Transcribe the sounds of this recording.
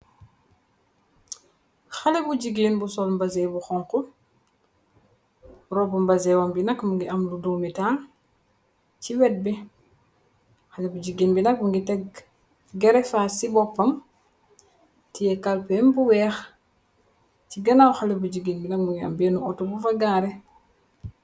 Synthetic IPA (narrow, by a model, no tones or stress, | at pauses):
xalebuɟiɡiːnbusɔlmbɐzɛbuxɔŋku | rɔbumbɐzɛwɐmbinɐkmuŋɡiʔɐmludumitaː | ciwɛt̚bi | xalɛbuɟiɡiːnbinɐk̚muŋɡitɛɡ̚ | ɡɛɾɛkfasibɔpːɐm | tijɛkalpɛmbuwɛːx | ciɡɐnawxalebuɟiɡiːnbinɐk̚muŋɡia̰mbɛːnuɔtubufaɡaːɾɛ